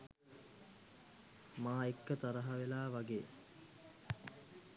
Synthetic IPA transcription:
maːekːət̪aɾəɦaʋelaːʋaɡeː

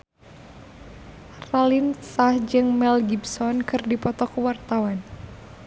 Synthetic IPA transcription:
ralinsahd͡ʒɨŋmɛlɡibsɔnkɨrdipɔt̪ɔkuwart̪awan

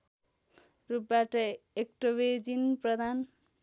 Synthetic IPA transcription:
rup̚baʈʌek̚ʈobed͡zinprʌd̪ʱan

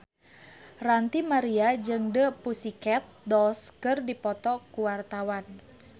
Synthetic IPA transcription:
rant̪imaɾiad͡ʒɨŋdəpusikɛt̪̚dɔlskɨrdipɔt̪ɔkuwart̪awan

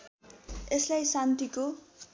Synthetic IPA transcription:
eslajsant̪iko

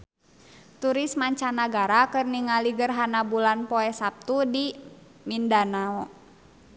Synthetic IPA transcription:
t̪uɾismaɲt͡ʃanaɡaɾakɨrniŋaliɡərɦanabulanpɔɛsap̚t̪udi | mindanaɔ

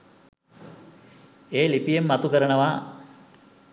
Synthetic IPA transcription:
eːlipijemːat̪ukəɾənəʋaː

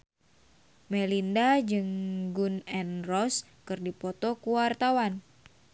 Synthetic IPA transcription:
mɛlindad͡ʒɨŋɡunɛnrɔs | kɨrdipɔt̪ɔkuwart̪awan

